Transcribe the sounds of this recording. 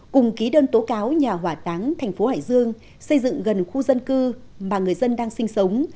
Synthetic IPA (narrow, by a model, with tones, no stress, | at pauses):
kʊ˨˩ŋ͡mki˨˦ɗəː˧nt̪o˨˦kaː˨˦wɲaː˨˩ɦwaː˧˨˩t̪aː˨˦ŋt̪ʰɛ˨˩ŋ̟fo˨˦ha̰ː˧˨jzɨ˧əŋ | sə˧jzɨ̰˧˨ŋɣə˨˩nxu˧zə˧nkɨ˧ | maː˨˩ŋɨ˨˩əjzə˧nɗaː˧ŋsï˧ŋ̟sə˨˦wŋ͡m